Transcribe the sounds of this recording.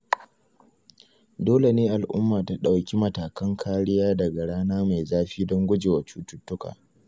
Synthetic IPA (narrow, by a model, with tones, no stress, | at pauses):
doː˦le˨neː˦ʔa˨lʔʊ̰˦mːaː˨ta˦ɗa˨wkʲi˦mɐ˨taː˨kɐ˦ŋkʰaː˦ɽɪ˦jaː˦dɐ˨ɡa˨ɽaː˦naː˦ma˨jzaː˦ɸiː˦dɔ˦ŋɡʷʊ˦d͡ʒeː˨wa˨t͡ʃuː˦tʊ˦tːʊ˦ka̰ː˨